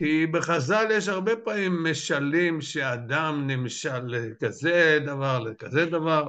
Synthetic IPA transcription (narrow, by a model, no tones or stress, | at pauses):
kibeχazaljeʃ̬aʁbepamimːeʃalimʃead̪amnimʃalːekazed̪avaʁlekazed̪avaʁ